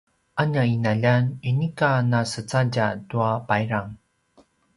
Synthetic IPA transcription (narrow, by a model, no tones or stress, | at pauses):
ʔaɲainaʎaninikanasət͡saɟatuapajɾaŋ